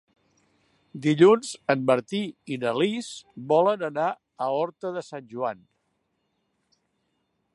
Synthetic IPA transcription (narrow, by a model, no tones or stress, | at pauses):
d̪iʎunzəmməɾt̪iinəlizbɔlənəna | əɔɾt̪əðəsanʲʒuan